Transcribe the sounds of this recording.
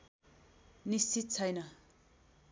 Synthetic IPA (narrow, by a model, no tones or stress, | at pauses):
nist͡sit̪̚t͡sʰajna